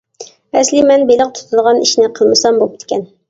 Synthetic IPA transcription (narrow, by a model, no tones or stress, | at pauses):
æslimænbilɤq̚t̪ʰŏ̥t̪ɤ̆lˠʁɑniʃnɘqʰɤ̆lˠmɤsɑmbulˠp̚ki̥t̪kæn